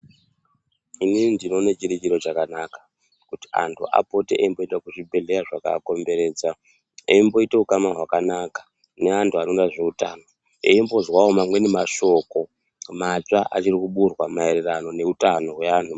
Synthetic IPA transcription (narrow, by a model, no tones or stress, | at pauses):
inindino̞net͡ʃiɾit͡ʃiɾo̞ʐakanakḁ | kuti̥a̰ntʰṵʔa̰po̞teʔeimbo̞endakuʐibʱe̞ɮe̞jaʐaka̰ko̞mbe̞ɾe̞ːd͡za | eimbo̞iteukamaɦwakanakḁ | ne̞antʰuanondaʐe̞uta̰ːno̞ | eimbo̞zwaomamwe̞ne̞maʃo̞ko̞ | mat͡ʂaʔa̰t͡ʃirikuɓurwamaererano̞ne̞utano̞ɦwe̞antu